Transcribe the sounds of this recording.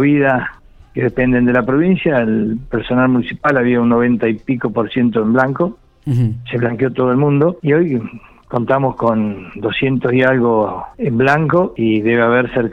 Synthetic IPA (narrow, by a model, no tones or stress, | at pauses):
βiðas | keðepe̞nd̪e̞nd̪elapɾo̞βinsjaelpeɾso̞nalmũnisipalaβiaunːoβ̞e̞nt̪aipiko̞po̞ɾsje̞nt̪oemblaŋko | seβlaŋkjo̞t̪oðoelmũnd̪oio̞j | ko̞nt̪amosko̞nd̪osje̞nt̪osialɣoemblaŋkoiðeβeaβeɾseɾ